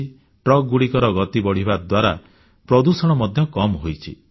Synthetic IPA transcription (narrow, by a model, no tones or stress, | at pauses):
ʈɾɔk̚ɡuɽikɔɾɔɡɔt̪ibɔɽ̤ibad̪waɾa̰ | pɾɔd̪usɔɽ̃ɔmɔd̪ʱjɔkɔmɦojt͡ʃʰḭ